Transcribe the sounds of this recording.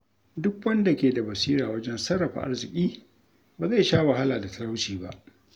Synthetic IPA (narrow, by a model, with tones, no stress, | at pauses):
dʊ˦kwɐ˦nda˨kʲeː˨da˨bɐ˨siː˦ɾaː˨wɐ˦d͡ʒɛ˦nsɐ˦ɽɐ˨ɸa̰˨ʔa̰˦rzɪ˨kʲʼiː˦ | baː˨za˦˨jʃaː˦wa˨ɦa˦laː˨da˨tɐ˦ɽa˦wt͡ʃiː˨ba̰˦ʔ